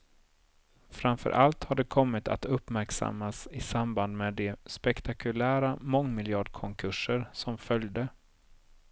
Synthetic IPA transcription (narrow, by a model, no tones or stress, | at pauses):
fɾamfœ̰ɾʔalt̪haɖɛkʰɔmːɪt̪ʰa̰t̪ɵpːmæɾksa̰mːasɪsamband̪meːd̪ɛspɛkt̪ʰakʰɵlæːɾamɔŋːmɪljɑːɖkʰɔŋkʰɵʂəɾsɔmfœljd̪ə